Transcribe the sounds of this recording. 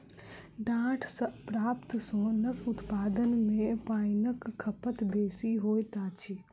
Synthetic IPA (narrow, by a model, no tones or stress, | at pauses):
ɖãːʈʰsəpɾaːpt̪sõnəkʊt̪paːd̪ənmẽpaːɪnəkʰːəpət̪beːsiɦoːjt̪aːt͡ʃʰi